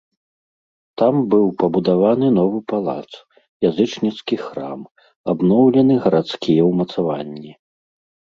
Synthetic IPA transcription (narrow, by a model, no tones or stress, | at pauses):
t̪ambɨwpɐbud̪avanɨnɔvɨpalˠa̰t̪s | jazɨt͡ʂnʲit̪skʲixɾa̰m | abnɔwlʲɛnɨɣɐɾat̪skʲijɛwmɐt̪savanʲːi